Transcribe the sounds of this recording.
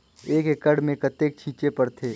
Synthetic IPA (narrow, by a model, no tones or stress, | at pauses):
eːkekəɽmẽkɐt̪eːk̚t͡ʃʰiːt͡ʃepɐɾt̪ʰeː